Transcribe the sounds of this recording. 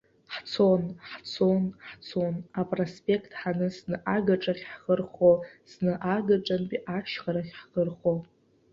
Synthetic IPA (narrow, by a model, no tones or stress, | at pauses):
ħt͡sʰonħt͡sʰonħt͡sʰo̞napʼrospʼe̞kʰtʰʼħanɨsnɨʔaɡaʈ͡ʂʼaχʲħχərχosnɨʔaɡaʈ͡ʂʼanpʼiʔaʃχaɾaχʲħχərχo